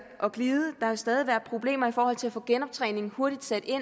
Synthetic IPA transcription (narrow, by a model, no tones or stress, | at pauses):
ʔɒ̽ɡ̥liːðˠəd̥ɑ̈hesd̥ɛːð̞ˠiʋæɐd̥̚pʰʁo̝b̥le̝̰ːmɐifɒːhɒ̽l̰t͡sʰe̝læfɔ̰̽ːɡ̥enɒ̽b̥̚t͡sʰʁɛ̰ːne̝ŋ̩ho̝ɐɾ̥id̥sed̥e̝n